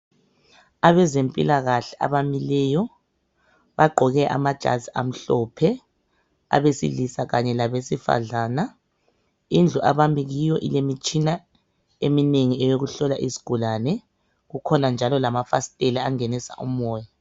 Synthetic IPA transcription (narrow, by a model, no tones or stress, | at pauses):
aβɛzempʼḭlaɣaɬɛʔa̰βamilɛːjɔ | βaɡ͡ǃʱɔɣɛʔa̰mad̥ʒ̥ʱa̰zʱia̰m̩ɬɔpʰɛ | a̰βesḭlisaɣaɲɛlaβesifa̰ɮaːna | ind͡ɮʱuʔaβamiɣijɔʔḭlemit͡ʃʼina | emineŋiɛjoɣuɬɔlaʔisi̥ɡ̥ʱulanɛ | ɣukʰɔnand͡ʒʱalɔlamafasi̥tʼɛliaŋenisa̰ʔumɔːja